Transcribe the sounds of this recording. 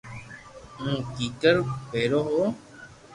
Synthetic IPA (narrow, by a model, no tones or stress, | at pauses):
ũːkiːkəɾpeːɾoːɦo